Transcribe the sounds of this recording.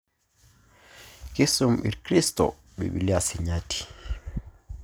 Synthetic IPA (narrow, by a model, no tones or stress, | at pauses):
kisumɓḭɾkɾistɔ̰ | ɓɛ̰ɓḭliasiɲati̥